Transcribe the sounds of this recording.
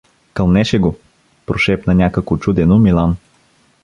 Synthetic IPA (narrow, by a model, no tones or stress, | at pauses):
kɐlˠnɛʃɛɡo | pɾoʃɛpnɐnʲakəkvot͡ʃud̪ɛnomilˠan